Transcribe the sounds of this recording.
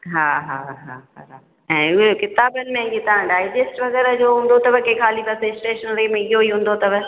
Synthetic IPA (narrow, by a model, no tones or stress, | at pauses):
ɦaːɦaːɦaːɦaːɦa | ɛ̃ːʊɦekɪt̪aːbənɪ̆mẽet̪ɐãɖaːɪd͡ʑesʈʋɐɣɛːɾəd͡ʑoːɦũːn̆d̪ot̪ɐbəkekʰaːlipɐseɪsʈeːʃənɾɐimẽɪɦoiɦũːn̆d̪ot̪ɐbə